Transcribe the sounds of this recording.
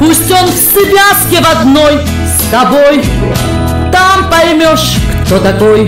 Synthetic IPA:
pusʲtʲonfsɨbʲaskʲɪvɐd̪noj | st̪ɐboj | t̪ampɐjmʲoʂkt̪ot̪ɐkoj

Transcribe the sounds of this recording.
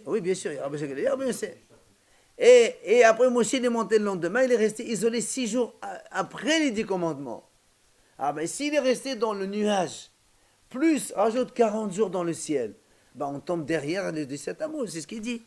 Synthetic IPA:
wibjɛ̃syʁiaʁabəʃakɛlɛʁbsɛ | eːapχɛmwɔsilɛmɔ̃t̪eləlɑ̃d̪əmɛ̃ilɛʁɛst̪eizɔlesiʒuʁapχɛled̪ikɔ̃mɑ̃d̪mɑ̰̃ | a̰bɛ̃siːlɛʁɛst̪ed̪ɑ̃lənyaʒ | plysʁaʒut̪kaʁɑ̃t̪ʒuʁd̪ɑ̃ləsjɛl | bɛ̃ɔ̃t̪ɔ̃bd̪ɛʁjɛʁled̪əsɛt̪amosɛsə̥kild̪i

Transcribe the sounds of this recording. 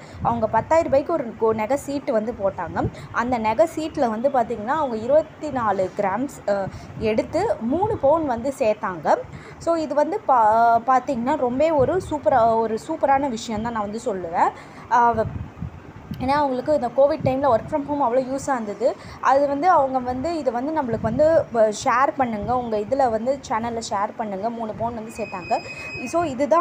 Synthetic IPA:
ɐ̰ʋɐŋɡɐpɐt̪ːaːjɪɾɯpɐjɪkːɯɔɾɯnɛɣɐsiːʈːʋɐnd̪ɯpoːʈːaːŋɡɐʔɐnd̪ɐnɛɣɐsiːʈːlɐʋɐnd̪ɯpaːɾt̪iːŋɡɐnːaːɐʋɐŋɡɐɪɾɯbɐt̪ːinaːlɯɡɪɾaːms | ɛɽɯt̪ːɯmuːɳɯpoːnʋɐnd̪ɯseːt̪aːŋɡɐ | soːɪðɯʋɐnd̪ɯppaːɾt̪iːŋɡɐnːaːɾɔmbeːɔɾɯsuːpɐɾaɔɾɯsuːpɐɾaːnɐʋɪʂɐjɐ̃nt̪ãːnãːʋɐnd̪ɯsɔlːɯʋẽː | eːnːaːɐʋɐŋɡɐɭɯkːɯɪnd̪ɐkoːʋɪɖ̚ʈːɐɪmlɐʋɐɾkfɾɐmɦoːmɐʋːɐɭoːjuːsaːnd̪ɐðɯ | ʔɐðɯʋɐnd̪ɯɐʋɐŋɡɐʋɐnd̪ɯɪðɯʋɐnd̪ɯnɐmːɐɭɯkːɯʋɐnd̪ɯʂeːɾpɐɳːɯŋɡɐʊŋɡɐɪðɪlɐʋɐnd̪ɯt͡ʃɐnɐlʂeːɾpɐɳːɯŋɡɐmuːɳɯpoːnʋɐnd̪ɯseːɾt̪ːaːŋɡɐ | soːɪðɯt̪ãː

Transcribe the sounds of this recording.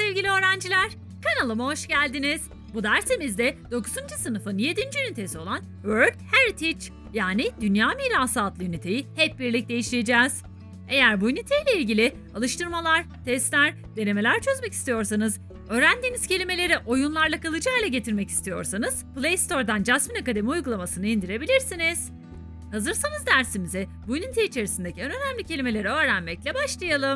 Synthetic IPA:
sɛvɟilʲiøːɾænd͡ʒilʲæɾ̥ | kʰanalˠɯmuɦoʃɟælʲd̪iniz̥ | bud̪æɾse̞mizd̪ɛd̪̥o̞kʰuzund͡ʒusɯnɯfɯnje̞d̪ind͡ʒyjynit̪ʰesio̞lˠan | vøɾt̪heɾit̪ʰit͡ʃ | jaːnid̪ynjaːmiːɾaːsaːt̪lˠɯjynet̪ʰe̞jihɛp̚biɾlʲic̚d̪e̞jiʃlʲijed͡ʒɛːz̥ | e̞jæɾbujynit̪ʰejlʲeilʲɟilʲɪ | alˠɯʃt̪ʰɯɾmalˠaɾ̥ | t̪ʰɛst̪lʲæɾ | d̪e̞ne̞me̞lʲæɾt͡ʃʰø̞zmɛci̥st̪ʰijo̞ɾs̬anɯz | ø̞ːɾænd̪iːniz̥cʰe̞lʲime̞lʲe̞ɾiʔo̞junlˠaɾlˠakalˠɯd͡ʒalˠaɟe̞t̪ʰiɾmɛci̥st̪ʰijo̞̰ɾsanɯz̥plʲˠejst̪o̞ɾd̪and͡ʒasminakad̪e̞miujɡulˠamasɯnɯind̪iɾe̞bilʲiɾsiniz̥ | hazɯɾsanɯzd̪æɾsimizɛbujnit̪ʰeit͡ʃʰe̞ɾisind̪e̞cʰienø̞næmlʲicʰe̞lʲime̞lʲe̞ɾɛø̞ːɾænmɛclʲɛbaʃlˠajalˠɯm

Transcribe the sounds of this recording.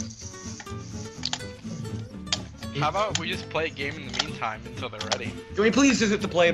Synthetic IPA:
habaʊt̚wid͡ʒʌspʰl̥eɪɨɡẽɪ̃mn̩ðɨmĩntʰãɪ̃mɨ̃ntʰɪlˠðə˞ɹɛɾiɡ̥ə̃nwipʰl̥izvɪzɨt̪̚ʰəpʰl̥eɪ

